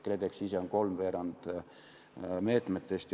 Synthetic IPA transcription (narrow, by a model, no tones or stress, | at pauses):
kːled̪eksisenko̞lmʋeːɾɑnd̪̥ | me̞ːt̪ˑmet̪ːˑest̪